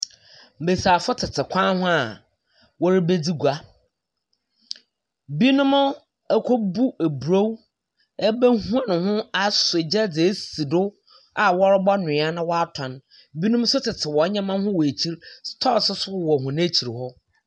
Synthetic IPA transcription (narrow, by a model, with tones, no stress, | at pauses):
m̩˨be˨saː˨fʊ˦tʰɪ˨tʰɪ˨kʷʰã˦hʊ̃˦a˨ | wɔ˦ɾɪ˦be˦d͡zi˦ɡu˨a˦ | bi˦nʊ̃˦m˦ | ɛ˦kʰo˦bu˦ʔe˨bu˨ɾo˦w | ɛ˦bæ˦hũ˦a˦nʊ̃˨hʊ̃˦a˨sʊ˨e˨d͡ʑɛ˦d͡zɪ˨e˦si˨dʊ˦ | a˨wɔ˦ɾʊ˦bɔ˦nʊ̃˨˦a˦nʊ̃˦wɔ˦a˦tʰã˨n | bi˦nʊ̃˦m˦sʊ˦tʰɪ˨tʰɪ˨wɔ˨˦ɲã˦mã˦n˦hʊ̃˦wɔ˨e˨t͡ɕʰi˦ɾstʰɔ˦˨sʊ˦sʊ˦˨wɔ˨ɦʊ̃˨n˦e˦t͡ɕʰi˨ɾhɔ˦